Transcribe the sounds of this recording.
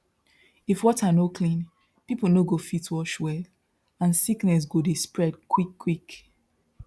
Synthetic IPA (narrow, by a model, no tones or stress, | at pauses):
ifwɔtanoklĩn | pipl̩noɡofitwɔʃwɛl | ãnsiknɛs̬ɡodispɹɛdkʰwikʰːwik